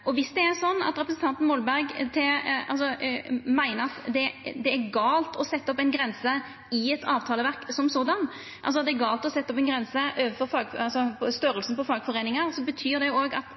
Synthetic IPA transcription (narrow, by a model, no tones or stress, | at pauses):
ʔɔʋɪsd̪ɛæɾsɔnːɑ̰t̪ɾɛpɾəsn̩t̪ɑnt̪n̩mɔlbæɾɡt̪ʰɛɑls̬ɔmæɪnəɑt̪d̪ɛd̪ɛːɾɡɑːlt̪ʰɔsɛt̪ːəɔpːɛɪnɡɾɛnsə | ɪɛt̪ʰɑːʋt̪ʰɑːləʋæʁksɔmsoːd̪ɑn | ʔɑ̰ls̬ɔɑt̪d̪ɛɾɡɑːlt̪ɔsɛt̪ːɔpɛnɡɾɛnsəʔøːʋəfɔɾfɑːɡɑlsɔɔst̪œɾəlsn̩pɔfɑːɡfɔɾeːnɪŋəɾsɔbət̪ʰyːɾd̪ɛjʊoːɡɑ̰t̪